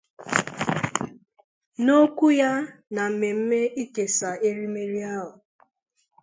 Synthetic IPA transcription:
no˦kʷu˦ja˦na˨m̩˨me˨m̩˦me˦ʔi˦ke˨sa˨e˦ɾi˦me˦ɾi˦a˦ɦʊ˨

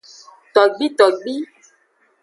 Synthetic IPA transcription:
t̪ɔ˨ɡ͡bi˦t̪ɔ˨ɡ͡bi˦

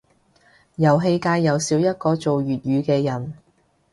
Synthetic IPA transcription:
jɐ˨˩wɦe˧jkaː˧jːɐ˨wsiː˨˥wjɐ˥t̚kɔː˧t͡so˨wjyː˨˩t̚jyː˨˧kɛː˧jɐ˨˩n

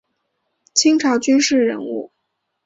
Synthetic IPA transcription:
t͡ɕʰi˥ŋʈ͡ʂʰɑ˧˥ʊt͡ɕy˥nʂɻ̩˥˩ɻə̰˧˥nṵ˥˩

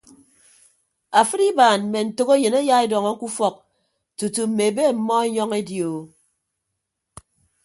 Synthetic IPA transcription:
a˨fɨ˦ɾi˦baː˨nm̩˨me˨n̩˨to˨ko˦je˨ne˦ja˦e˦dɔ˨ŋɔ˦ku˦fɔ˨k̚ | tu˨tu˨m̩˨me˨be˦˨m̩˨mɔ˦e˦ɲɔ˦ŋe˦djo˨

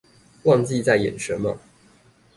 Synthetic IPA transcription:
wɑ˥˧ŋt͡ɕi˥˧t͡sa˥˩ɪjɛ̰˨˩nʂə˧˥nmə̰˨

